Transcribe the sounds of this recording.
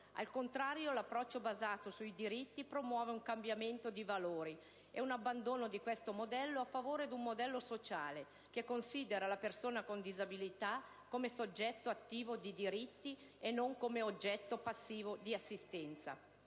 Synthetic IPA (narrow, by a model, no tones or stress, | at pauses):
a̰lkont̪ɾaːɾjolapːɾɔt͡ʃːobazaːt̪osuid̪iɾit̪ːipɾomwɔːveuŋkambjament̪od̪ivaloːɾi | ɛunabːand̪oːnod̪ikwest̪omod̪ɛlːoafːavoːɾed̪umːod̪ɛlːosot͡ʃaːle | kekːonsiːd̪eɾalapersoːnakond̪izabilit̪a | kːomesod͡ʒːɛt̪ːoat̪ːiːvod̪id̪iɾit̪ːi | enːoŋkomeod͡ʒːɛt̪ːopasːiːvod̪iasːist̪ɛnt̪sa̰